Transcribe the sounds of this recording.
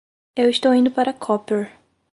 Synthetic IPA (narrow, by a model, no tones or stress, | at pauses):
ewist̪owĩnd̪ʊpaɾɐkʰɔpeɾ